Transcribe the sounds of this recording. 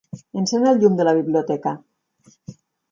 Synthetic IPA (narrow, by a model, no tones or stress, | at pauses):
enseɲalʲʎumd̪elaβ̞iβliot̪ɛka